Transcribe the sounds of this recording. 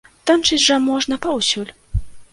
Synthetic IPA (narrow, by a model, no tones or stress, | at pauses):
t̪amt͡ʂɨt͡sʲʐɐmɔʐnɐpɐwsʲulʲ